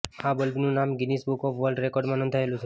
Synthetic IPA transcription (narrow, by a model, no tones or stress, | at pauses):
abəlbnũnamɡinisbukɔfʋəɾlɖɾekɔɾɖmãnɔ̃nd̪ʱaelũt̪ʰ